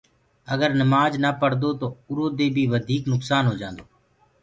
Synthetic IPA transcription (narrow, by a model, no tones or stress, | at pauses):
əɡəɾnəmaːd͡ʒnaːpəɽd̪oːt̪oːʊɾoːd̪eːbʱiːʋəd̪ʱiːknʊksaːnɦoːd͡ʒãːnd̪oː